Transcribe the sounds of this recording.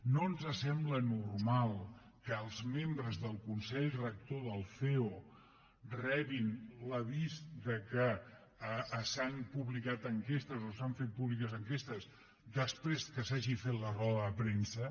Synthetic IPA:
noənzəsɛmblənurmalˠ | kəːlˠzmembɾəzðəlˠkunsɛʎrək̚t̪oðəlˠfeo | rɛβinləβizd̪əkə | əːsanpuβlikat̪əŋkest̪əzosaɱfet̪̚puβlikəzəŋkest̪əz | d̪əspɾezkəsaʒifet̪lərɔβəəpɾensə

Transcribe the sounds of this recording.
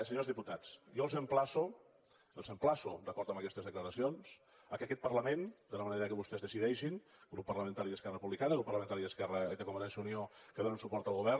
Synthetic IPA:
səɲozðiput̪at͡sjɔlˠzəmplasu | əlˠzəmplasṵd̪əkɔɾt̪əməkɛst̪əzðəkləɾəsions | əkəkɛt̪̚pərləmend̪ələməneɾəkəβust̪ɛzðəsiðɛʃinɡɾupːəɾrləmə̃nt̪aɾiðəskɛrəpuβlikanəɣɾupːərləment̪aɾiðəskɛrəiðəkumənɛnsjəuniokəðonənsupɔɾt̪əlˠɣuβɛr

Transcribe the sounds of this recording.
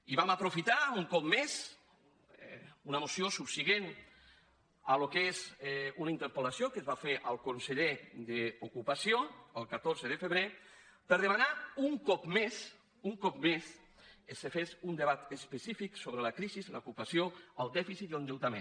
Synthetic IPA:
iβamapɾufit̪auŋkɔpmez | unəmosiosupsiɣen | alokezunaint̪əɾpəlasjokəzβafeʔəlˠkonseʎed̪əukupasjoəlˠkat̪oɾzəðəfəβɾe | pəɾð̞emanauŋkɔpmes | uŋkɔpmes | esefezund̪eβat̪əspesifiksoβɾəlakɾizizlə̰ukupasjoəlˠd̪ɛfisit̪iəlnd̪ewt̪amḛ̃n

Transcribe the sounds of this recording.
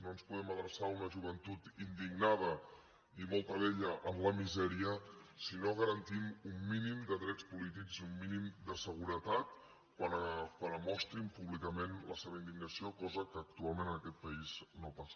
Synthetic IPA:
noənspuðɛməðɾəsaunəʒuβ̞ənt̪ut̪ind̪iɡnað̞ə | imɔlˠt̪əβɛʎəʔəmləmizɛɾiəsinoɣəɾənt̪imumːinimd̪əðɾɛt͡spulit̪̬ikziumːinimd̪əsəɣ̞uɾət̪at̪̚ | kwankwanəmɔst̪ɾimpuβlikəmenlə̰seβəind̪iɡnəsiokɔzəkəːk̚t̪ualˠmẽnənəkɛt̪̚pəiznopas

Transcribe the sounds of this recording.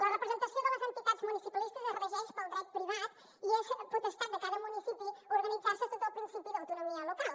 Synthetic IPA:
lɐʁɨpɾɨzẽnt̪ɐsw̃d̪ɐɐzẽnt̪iðaðzmunisipɐlˠiʃt̪ɐzɛʁɐʒɛjʃpɐɾɐ̃d̪ɾɛt̪pɾiβaðu | ieʃpɾut̪eʃt̪aɾðɐkaðɐmunisipioɾɣɐnizaɾsesẽt̪alˠpɾĩsipiðawt̪unumiɐlˠukalˠ

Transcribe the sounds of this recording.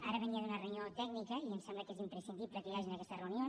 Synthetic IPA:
aɾəβəniəðunəreunjot̪ɛɡ̚nikəiəmsɛmbləkezimpɾəsind̪ipləkəjaʒinəkɛst̪ərəunio

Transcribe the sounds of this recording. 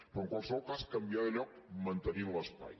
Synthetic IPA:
pɾɔəŋkwalˠsəβɔlˠkaskəmbiaðəʎɔk̚mənt̪ənimləspa̰j

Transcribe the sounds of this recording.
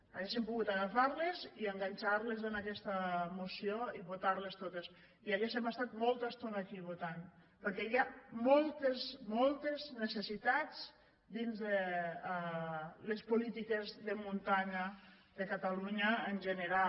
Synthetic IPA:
aɣesempuɣut̪aɣafaɾleziəŋɡaɲʲt͡ʃaɾlezənakɛst̪əmusioiβot̪aɾlest̪ot̪es | iaɣeʃemast̪at̪molˠt̪ast̪onaːkiβot̪an | pəɾkɛiamɔlˠt̪ezmolˠt̪eznəsəsit̪at͡s | d̪inzðe | lespulit̪ikezðəmunt̪aɲə | ðəkat̪aluɲəːnʒənəɾa

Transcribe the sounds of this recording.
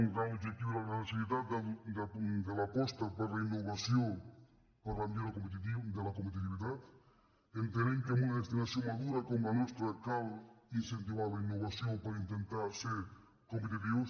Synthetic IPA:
ŋɡɾaŋoʒek̚t̪iβɾaɾasiβiðad̪d̪elapost̪apaɾlainːoβasjoŋ | paɾlamjeɾakompet̪̬it̪id̪elakompet̪̬it̪iβiðat̪ | ent̪eɾeŋkamunaðest̪inaθjoŋmaðuɾakomanwest̪ɾakalinsẽnt̪̬iβaɾlainːoβasjoŋpaɾaint̪ent̪aɾseɾ | kompet̪̬it̪̬iβos

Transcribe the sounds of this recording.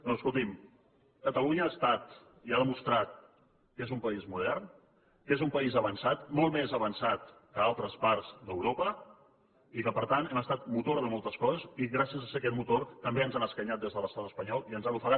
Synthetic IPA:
noəskulˠt̪im | kət̪əluɲəaːst̪at̪ | iaðəmust̪ɾat̪̚ | kezumpəizmuð̞ɛrn | kezumpəizəβənsat̪molˠmezəβ̞ənsat̪kəalˠt̪ɾəspaɾzd̪əwɾopə | ikəpəɾt̪ant̪ɛməst̪at̪̚mut̪oɾðəmolˠt̪əskɔzəziɣɾasiəzəsekɛt̪mut̪ort̪əmbeənzanəskəɲat̪̚d̪ezðələst̪at̪əspəɲɔlˠiənzanufəɣa

